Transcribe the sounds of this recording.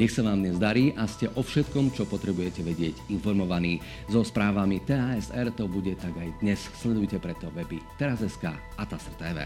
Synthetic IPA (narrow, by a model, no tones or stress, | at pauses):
ɲɛxsaʋaːmd̪ɲɛzd̪aɾiːʔascɛʔɔfʃɛt̪kɔmt͡ʃɔpɔt̪ɾɛbujɛcɛʋɛɟɪɛɟinfɔɾmɔʋaniː | zɔspɾaːʋamit̪ɛːaːɛsɛɾt̪ɔbuɟɛt̪aɡajd̪ɲɛsslɛd̪ujcɛpɾɛt̪ɔʋɛbit̪ɛɾazɛska̰ː | at̪asɛɾt̪ɛːʋɛ̰ː